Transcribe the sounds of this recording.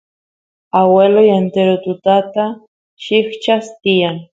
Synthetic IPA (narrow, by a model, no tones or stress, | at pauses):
awelojent̪eɾot̪ʊt̪at̪a | ʃɪxt͡ʃast̪ijaŋ